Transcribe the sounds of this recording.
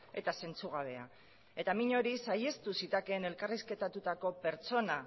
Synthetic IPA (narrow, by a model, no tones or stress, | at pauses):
e̞t̪ase̞nt͡suɣ̞aβ̞e̞a̰ | e̞t̪amiɲo̞ɾisaje̞st̪usit̪ake̞ne̞lkariske̞t̪at̪ut̪ako̞pe̞ɾt͡so̞na